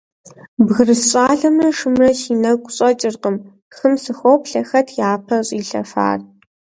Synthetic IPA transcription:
bɣɨrɨsɕʼaːɮɐmɐʂɨmrɐʃiːnɐkʷʼɕʼɐt͡ʃʼɪrqʼəm | xɨmsɨxʷopɬɐxɐtʰjaːpʰɐɕʼiːɬɐ̰fa̰ːr

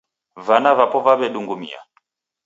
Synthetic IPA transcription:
vanavapɔvaβɛɗuŋɡumḭa̰

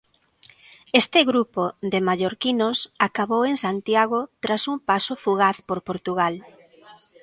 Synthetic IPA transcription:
est̪ɪɣɾupoðemaʎoɾkinosakaβoweŋsant̪jaɣot̪ɾasumpasofuɣaθpoɾpoɾt̪uɣal

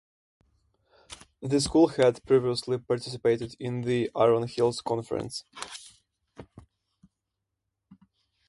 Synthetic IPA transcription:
ðɨskulˠhædpʰɹ̥iviəslipɑɹtʰɪs̬ɪpeɪɾɨdɪ̃nðiʔaɹə̃nhɪlˠz̥kʰɔ̃nfə̰ɹə̰̃ns

